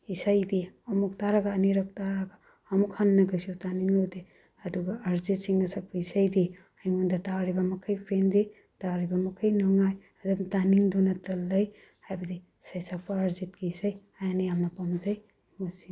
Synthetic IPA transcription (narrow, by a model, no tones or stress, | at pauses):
isajdiɔmuk̚taɾaɡaːneɾɐk̚taɾɐɡaː | mukhannɐɡɐsiutaniŋode | ɐduɡɐaɾzit̚siŋɡɐsak̚pɐisajdi | ajŋundɐtaɾibɐmɐkʰɐjpʰende | taɾibɐmɐkʰajnuŋaj | ɐdɐmtaniŋdonɐtɐlːɐj | hajbɐdi | isajsak̚pɐːɾzit̚kiisaj | ajanɐjamnɐpamzɐj | mɐsi